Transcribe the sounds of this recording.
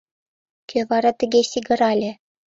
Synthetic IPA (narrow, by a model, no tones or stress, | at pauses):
kʲʰøʋɑɾɑt̪ʲɘ̆ɡʲesʲiɡɤ̆ɾɑlʲɘ̆